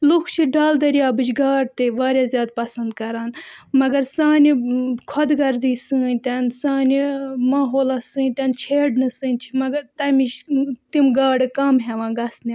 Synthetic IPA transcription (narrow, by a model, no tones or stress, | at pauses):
lukʰt͡ʃʰiɖaːld̪ɐɾiaːbɨd͡ʒɡaːɾt̪eʋaːɾʲjaːzʲjaːd̪̚pɐsɐnd̪kɐɾaːnmɐɡɐɾsãːnikʰɔd̪ɡɐɾziːsɨ̃ːnʲt̪ʲɐnsãːnʲimaːɦoːlasɨ̃ːnʲt̪ɐnt͡ʃʰeːɖnɨsɨ̃ːnʲt͡ʃʰimɐɡɐɾt̪ɐmit͡ʃt̪imɡaːɖɨkɐmɦeʋãːɡɐsnʲi